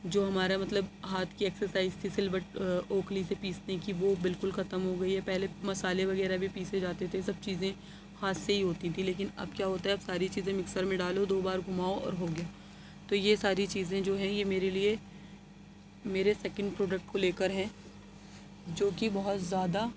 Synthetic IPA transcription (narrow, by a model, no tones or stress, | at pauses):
d͡ʒoːɦɐmaːɾemɐt̪ləbɦaːt̪ʰkiɛːksəɾsaːɪzt̪ʰisɪlbəʈoːkʰlisepiːsnekiʋobɪlkʊlxɐt̪əmɦoɡɐiɦɛpɛɦlemɐsaːleʋɐɣɛːɾabʱipiːsed͡ʒaːt̪et̪ʰesɐb̚t͡ʃiːzẽ | haːseɦiɦoːt̪ĩt̪ʰĩleːk̬ɪnɐ̰bkjaːɦoːt̪aɦɛɐbsaːɾit͡ʃiːzẽmɪksəɾmẽɖaːlod̪oːbaːɾɡʱʊmaːoɔ̰ːɾɦoɡɪjaː | t̪ojesaːɾit͡ʃiːzẽd͡ʒoːɦɛ̃jemeːɾelie | meːɾesɛːkə̃ɳɖpɾoːɖək̚ʈ̚koleːkəɾɦɛ̃ː | d͡ʒoːkibɐɦʊt̪zjaːd̪a